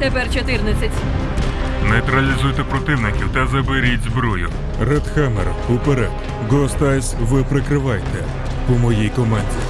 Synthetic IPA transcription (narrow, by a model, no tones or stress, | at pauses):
t̪ɛpɛrt͡ʃɔt̪ɪrnɐt͡sʲɐtʲ | nɛjt̪ɾɐlʲizujt̪ɛpɾɔt̪ɪwnɪkʲiwt̪ɐzɐbɪɾʲitʲzbɾɔjʊ̰ | rɛd̪xɛmɛr | upeɾɛd̪ | ɡɔst̪ɑsʲʋɪpɾɪkɾɪʋɑjt̪ɛ | pʊmɔjijkɔmɛnʲtʲi